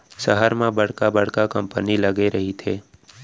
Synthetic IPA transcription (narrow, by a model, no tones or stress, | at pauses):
səɦəɾmãbəɽ̤kabəɽ̤kakə̃mpəniləɡeɾɐɦit̪ʰeː